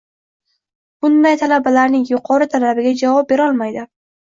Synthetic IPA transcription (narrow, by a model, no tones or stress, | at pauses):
b̥ʊnd̪ajt̪ʰalabalaɾnɪŋjʊqʰɒɾɪt̪ʰalabɪɡʲad͡ʒavɒp̚be̞ɾɒlˠmajd̪ɪ